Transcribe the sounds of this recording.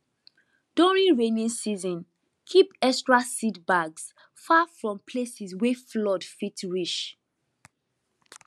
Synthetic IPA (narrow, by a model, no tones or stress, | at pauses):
d̥uɹĩnɹenĩnsizɔ̃n | kʰipɛstɹasidbaɡs | fafɹɔ̃mpʰlesisweflɔdfitɹiʃ